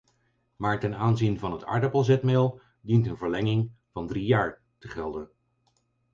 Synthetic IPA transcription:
maːɹtɛnaːnzinvɑnɦətɑ̰ɹdəpəlˠzɛtmeːlˠ | dintənvəɹlɛŋɪŋ | vɑndrijaːɹ | təχɛlˠdən

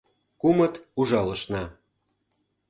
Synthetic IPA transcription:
kumət̪uʒɑlə̆ʃnɑ

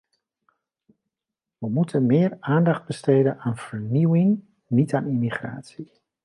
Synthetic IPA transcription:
ʋəmutʰənmɪːraːndɑχd̚bəsteːdənaːnv̥ərniwɪŋ | nitʰaːnimiχra̰ːtsi

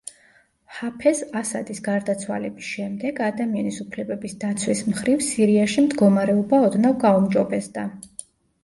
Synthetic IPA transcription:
hapʰɛsasa̰d̪isɡaɾd̪at̪sʰwa̰lɛbisʃɛmd̪ɛɡad̪amianisupʰlɛbɛbisd̪at̪sʰwismχɾivsiɾiaʃimd̪ɡɔmaɾɛɔbaɔd̪navɡaumd͡ʒɔbɛsd̪̥a

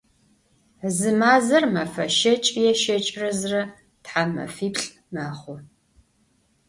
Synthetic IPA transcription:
zɨmaːzɐrmɐfɐʃɐt͡ʃʼjɛʃɐt͡ʃʼrɐzrɐ | tħamɐ̰fiːpɬʼ | maːχʷʊ

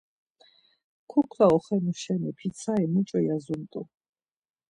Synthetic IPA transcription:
kʰɔkʰlaɔχɛnuʃɛnɛpʰit̪sʰaɛmut͡ʃʼɔjazunt̪ʼu

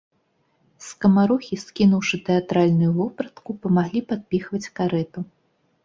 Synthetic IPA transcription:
skɐmaɾɔxʲiskʲinuwʂɨt̪ɛat̪ɾalʲnujuvɔpɾɐt̪kupɐmaɣlʲipad̪̚pʲixvɐt͡sʲkaɾɛt̪u

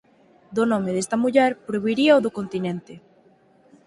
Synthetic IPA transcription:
d̪onõmeðest̪ɐmuʎɛɾpɾoβiɾiaoðokont̪inẽnt̪e

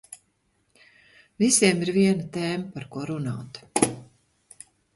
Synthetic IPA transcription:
visiɛmiɾviɛnat̪eːmɐpaɾkuɔɾunaːt̪

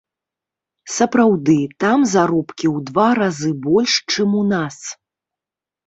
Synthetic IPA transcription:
sɐpɾawd̪ɨt̪amzaɾɔpkʲiwd̪vaɾazɨbɔlʲʂt͡ʂɨmunas

